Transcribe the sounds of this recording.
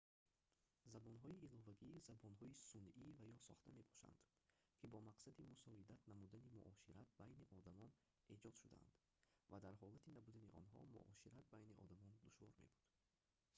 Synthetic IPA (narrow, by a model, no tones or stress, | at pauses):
zabɔnɦɔiilɔvaɡizabɔnɦɔisunivajɔsɔ̰χt̪ʰame̞bɔ̥ʃa̰nd̪̥ | kʰibɔmaqsad̪imusɔid̪at̪namud̪animuʔɔʃiɾat̪̚bajniʔɔd̪amɔn | e̞d͡ʒɔd̪ʃud̪a̰a̰nd̪ | vad̪aɾɦɔlat̪ʰinabud̪aniʔɔnɦɔ̰mṵʔɔʃiɾat̪̚bajniʔɔ̰d̪amɔnd̪uʃvɔɾme̞̰bud̪̥